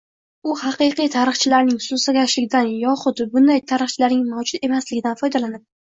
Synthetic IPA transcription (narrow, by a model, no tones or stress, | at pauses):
ʊhɑqɨqijt̪ʰaɾɨχt͡ʃʰɪlaɾnɪŋsʊsaɡʲaʃlɪɡʲd̪anjɒχʊd̪bʊnd̪ajt̪ʰaɾɨχt͡ʃʰɪlaɾnɪŋmawd͡ʒʊt̪e̞maslɪɡʲɪd̪anfɒjd̪alanɪp̚